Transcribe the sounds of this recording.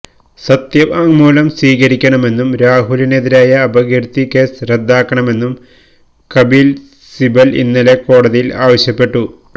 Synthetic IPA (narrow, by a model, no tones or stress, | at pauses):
sɐt̪jɐʋɐŋmuːlɐmsiːɣɐɾikʲːɐɳɐme̞nːumɾaːɦulineðiɾaːjɐːbɐɡirt̪ikeːsred̪ːaːkːɐɳɐme̞nːum | kɐbiːl | sibɐlḭnːileko̞ːɽɐðijilaːʋɐɕjɐpːe̞ʈːu